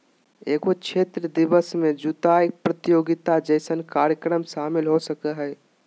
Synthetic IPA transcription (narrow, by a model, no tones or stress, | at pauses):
eːɡot͡ʃʰet̪ɾəd̪ibəsmed͡ʒut̪aik̚pɾət̪ijoːɡit̪ad͡ʒəɪsənkaɾjəkɾəmʃaːmilɦosəkəɦɛ